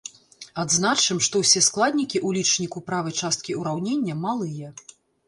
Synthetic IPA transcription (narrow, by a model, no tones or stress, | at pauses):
ad̪znat͡ʂɨmʂt̪ɔwsʲɛsklˠad̪ʲnʲikʲiʔulʲit͡ʂnʲikupɾavɐjt͡ʂast̪̚kʲiuɾawnʲenʲːɐmalˠɨjɐ